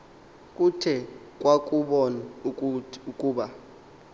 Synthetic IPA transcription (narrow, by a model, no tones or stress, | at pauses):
kʼutʰɛ | kʼwakʼuɓɔna | ukʼuːɓa